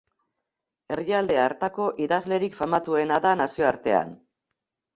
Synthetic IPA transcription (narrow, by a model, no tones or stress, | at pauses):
e̞riald̪e̞aːɾt̪ako̞ʔiðazle̞ɾikfamat̪ue̞naðanasio̞aɾt̪e̞a̰n